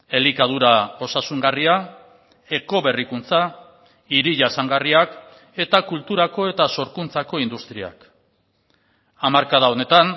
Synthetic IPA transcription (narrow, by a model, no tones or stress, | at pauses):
e̞likað̞uɾao̞sasuŋɡaria | e̞ko̞βe̞rikunt͡sa | iɾiʝasaŋɡariak | e̞t̪akult̪uɾako̞e̞t̪aso̞ɾkunt͡sako̞ind̪ust̪ɾia̰k | amaɾkaðao̞ne̞t̪an